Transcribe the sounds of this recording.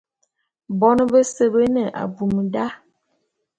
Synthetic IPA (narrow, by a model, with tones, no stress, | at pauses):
bɔ˦nə˦bə˦sə˦bə˦nə˨ʔa̰˨bu˨mə˨da˦